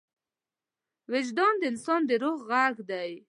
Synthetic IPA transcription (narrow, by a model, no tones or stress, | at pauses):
wɪd͡ʒd̪ɑnd̪əɪnsɑnd̪əɾoɣɣaɡd̪aj